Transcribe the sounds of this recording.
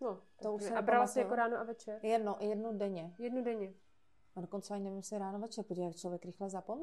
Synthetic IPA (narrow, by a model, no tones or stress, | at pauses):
not̪aoussɛaɛpbɾalasɛjakoɾaːnoʔavɛt͡ʃɛɾjɛdnojɛdnudɛɲɛjɛdnudɛɲɛ | adoko̞nt͡sɛaɲɪnɛvɪmjɛsɪɾaːnovɛt͡ʃɛɾpujakt͡ʃlovjɛkɾɪxlɛzapom